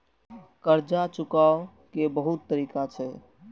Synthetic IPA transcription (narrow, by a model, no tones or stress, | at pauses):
kəɾd͡ʒat͡ʃʊkao | kebəɦut̪ːəɾiːkat͡ʃʰɛ